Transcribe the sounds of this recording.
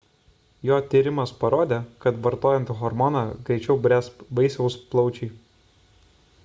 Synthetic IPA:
joːt̪ʲiɾʲɪmɐspɐɾoːd̪ʲeːkɐt̪ʋɐɾt̪oːjɛnʲt̪ʲɣɔɾmɔnɑɡɾʲɛɪt͡ʃʲɛʊbʲɾʲæsʋɐɪsʲɛʊsplˠɒʊt͡ʃʲɛː

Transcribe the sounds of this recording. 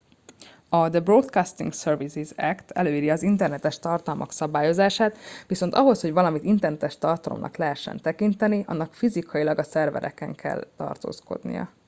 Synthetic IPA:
ɒd̪əbrot̪kaːst̪ḭŋksørvizizɛkt̪ʰɛ̰løːiɾiɒzint̪ɛrnɛt̪ɛʃt̪ɒrt̪ɒlmɒksɒbaːjo̞zaːʃaːt̪ʋiso̞nt̪ɒɦo̞sho̞ɟvɒlɒmit̪int̪ɛrnɛt̪ɛʃt̪ɒrt̪ɒlomnʔɒ̰klɛɦɛʃːɛ̰nt̪ɛkint̪ɛniʔɒ̰nːɒkfizikʰɒjilɒɡɒsɛrvɛ̰ɾɛ̰kɛ̰ŋkʰɛ̰lt̪ɒ̰rt̪o̰ːsko̞̰d̪nḭjɒ̰

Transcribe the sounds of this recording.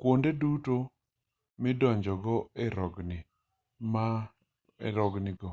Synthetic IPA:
kwondeduto | mɪdɔɲd͡ʒɔɡɔeɾɔɡnɪ | ma | ḛɾɔɡnɪɡɔ

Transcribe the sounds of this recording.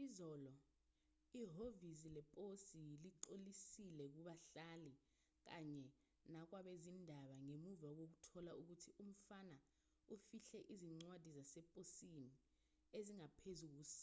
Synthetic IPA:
izɔːlɔ | iɦovisilɛpʼosiliǀolisilɛk̬uɓaɬali | k̬aɲɛ | nak̬waɓezindʱaɓaŋemuvak̬ok̬utʰɔlauk̬utʰiʔum̩fana | ufiɬɛʔiziŋ͡ǀwad̥ʱizasɛpʼosini | eziŋapʰezuk̬uːsḁ

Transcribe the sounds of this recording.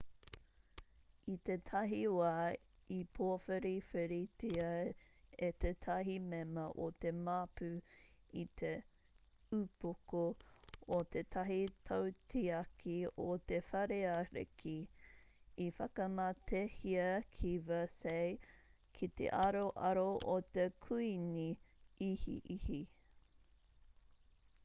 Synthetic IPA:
it̪et̪ʰɐɦiwaːipʰoɐfɐɾifeɾitiɐ | et̪et̪ʰɐɦimemɐʔot̪emaːpʉit̪ʰe | ʉpokoot̪et̪ʰɐɦit̪ʰawtʰiɐkʰiot̪efɐɾeɐɾḛkʰi | ifɐkɐmɐt̪ʰehiɐkʰivɐsej | kʰit̪ḛʔɐɾoʔɐɾoʔot̪ekʰuiniihḭʔihi

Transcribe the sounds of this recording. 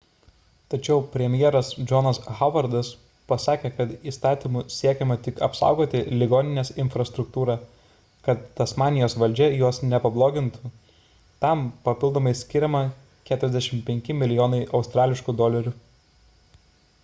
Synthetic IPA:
t̪ɐt͡ʃʲɛʊpʲɾʲɛmʲjeɛːɾɐsd͡ʒʲɔnɐsɣɐʋɐɾd̪ɐs | pɐsɑːkʲeːkɐt̪iːst̪ɑːt̪ʲiːmʊsʲiɛkʲɛmɐt̪ʲɪkɐ̰psɑ̰ˑʊɡoːt̪ʲɪlʲɪɡoːnʲɪnʲeːsɪnfɾɐst̪ɾʊk̚t̪uːɾɑː | kɐt̪̚ːɐsmɑːnʲɪjoːsʋɐlʲd͡ʒʲɛjuɔsnʲɛpɐblˠoːɡʲɪnt̪ʊ | t̪ɐmpɐpʲɪlˠd̪oːmɐɪsʲkʲɪɾʲɛmɐ | kʲæːt̪ʊɾʲɛzd̪ʲɛʃʲɪmpʲɛŋʲkʲɪmʲɪlʲɪjoːnɐɪʔɒʊst̪ɾɑːlʲɪʃkud̪oːlʲɛɾʲʊ

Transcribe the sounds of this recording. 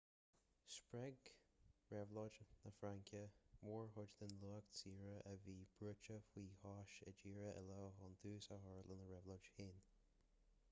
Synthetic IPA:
spɹɛɡɹɛvlɔd͡ʒnəfɹaŋkʰjəwɔɹhʊd͡ʒd̪ənluːəksiːɹəʔəviːb̥ɹʊt͡ʃəfwiːhɑːʃəd͡ʒiːɹəʔə̰lɔːɦɔnd̪ʰuːsaɦɔɹlənəɹɛvlɔd͡ʒheːn

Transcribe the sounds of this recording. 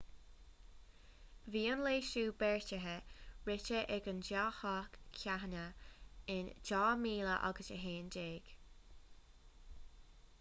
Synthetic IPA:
viːənleːʃuːbɛɹtəɦəɹɪt͡ʃəʔɛɡənd͡ʒaːhɔkʰːaɦnəɪnd͡ʒɔːmiːləʔɔ̰ɡəsə̰ɦeːndeːɡ̥

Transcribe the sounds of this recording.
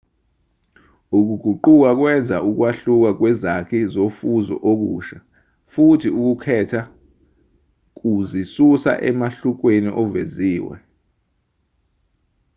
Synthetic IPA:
uk̬uɡ̥ʱuǃuk̬ak̬wɛnd͡zʱaʔuk̬waɬuk̬ak̬wɛzakʰizofuzɔ̰ʔok̬ṵːʃa | futʰiuk̬ukʰɛtʰa | k̬uzisusa̰ʔɛ̰maɬuk̬wenḭʔɔveziːwɛ̰

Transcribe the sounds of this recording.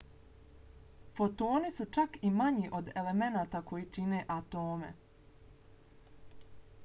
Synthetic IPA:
fo̞t̪o̞ːnisut͡ʃakimaɲiʔo̞d̪e̞le̞me̞naːt̪ako̞jiːt͡ʃine̞ʔat̪o̞ːme̞̰

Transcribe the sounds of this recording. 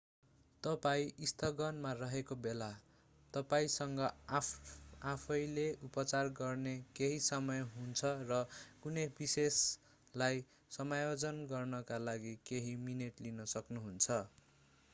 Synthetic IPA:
t̪ʌpaĩist̪ʰʌɡʌnmarʌɦekobela | t̪ʌpaĩsʌŋɡʌ | apʰʌjleupʌt͡sarɡʌrnekeɦisʌmʌjɦunt͡sʰʌrʌkunʌjbises | laj | sʌmajod͡zʌnɡʌrnʌkalaɡikeɦimineʈlinʌsʌknuɦunt͡sʰʌ

